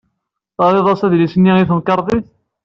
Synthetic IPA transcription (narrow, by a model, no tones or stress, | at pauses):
θɑðˤeðˤɑsæðlisənːiiθnkɑɾˤðˤiθ